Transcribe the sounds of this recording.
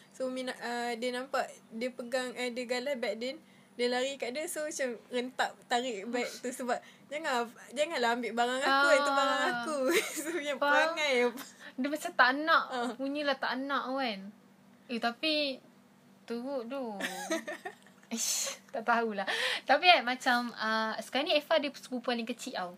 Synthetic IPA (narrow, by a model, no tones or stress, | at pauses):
sominaʔədiənampaʔdiəpəɡaŋadəɡalabɛʔ̚dɛn | dəlaɾikaʔdəsomat͡ʃamrənt̪aʔt̪aɾɪʔbaiʔ̚t̪usəbap̚ | d͡ʒaŋad͡ʒaŋanlaɦambɪʔbaɾaŋakuaubaɾaŋakusoɲapəɾaŋajapadəmat͡ʃat̪aʔnãʔpuɲə̃laht̪a̰ʔnãʔawan | ut̪api | t̪uɣuʔdu | t̪aʔt̪aulaht̪apiamat͡ʃaməsə̥kaaniefadəsəbupualɪŋkət͡ʃiʔaw